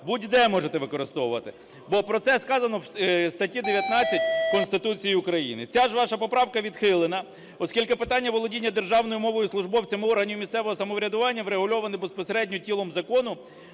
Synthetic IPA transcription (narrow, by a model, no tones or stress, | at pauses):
budʲd̪ɛmɔʒet̪ɛʋɪkɔɾɪst̪ɔʋʊʋɐt̪ɪ | bɔpɾɔt̪sɛskɑzɐnɔwsst̪ɐtʲid̪eʋʲjɐt̪nɑt͡sʲːɐt̚ʲkɔnst̪ɪt̪ut͡sʲijiʊkɾɐjḭnɪt͡sʲaʒʋɑʃɐpɔpɾɑwkɐʋʲid̪xɪlˠɪnɐ | ɔskʲilʲkɪpɪt̪ɑnʲːɐʋɔlˠɔdʲinʲːɐd̪erʒɑwnɔjʊmɔʋɔjʊslˠʊʒbɔwt͡sʲɐmɪɔrɦɐnʲijʊmʲist̪sɛʋɔɦɔsɐmɔʋɾʲɐd̪ʊʋɑnʲːɐʋɾeɦʊlʲɔʋɐnɪbespɔseɾɛdʲnʲɔtʲilˠɔmzɐkɔnʊ